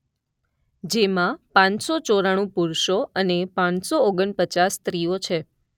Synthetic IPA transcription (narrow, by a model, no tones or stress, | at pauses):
d͡ʒemãpãɲsot͡ʃoɾaɽ̃ũpuɾʃoənepãnsooɡəɳpət͡ʃast̪ɾiot͡ʃʰe